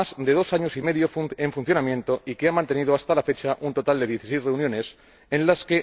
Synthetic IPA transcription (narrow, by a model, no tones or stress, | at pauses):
azd̪e̞ð̞o̞saɲo̞sime̞ðjoeɱfun̟θjo̞namjẽ̞nt̪o̞ikeamãnt̪e̞niðoast̪alafe̞t͡ʃaʔunt̪o̞t̪ald̪e̞ð̞je̞θisejzreunjõ̞ne̞s | ẽnlaske̞